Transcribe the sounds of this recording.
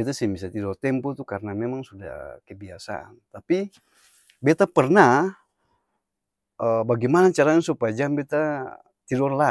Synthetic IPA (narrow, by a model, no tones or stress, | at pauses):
ɛt̪asibisat̪ilɔrt̪ɛmpɔt̪ukarnamɛmaŋsuda̰hkəbiasa̰ʔa̰nt̪api | bɛt̪apərna | əbaɡɛmanat͡ʃaɾaɲsupajad͡ʒambɛt̪a | t̪idɔrla